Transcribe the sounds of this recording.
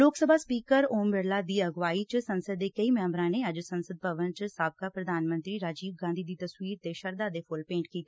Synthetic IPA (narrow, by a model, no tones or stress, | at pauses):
loːksəbʱaːspiːkəɾoːmbɪɾlaːd̪iːəɡʋaːiːt͡ʃsənsəd̪ːeːkəiːmɛ̃ːmbɾãːneːəd͡ʒsənsəd̪̚pəʋənt͡ʃsaːb̚kaːpɾəd̪aːnmə̃nt̪ɾiːɾaːd͡ʒiːbɡãːnd̪ʱiːd̪iːt̪əswiːɾt̪eːʃəɾd̪aːd̪eːpʰʊlpẽːɳʈkiːt̪ʰː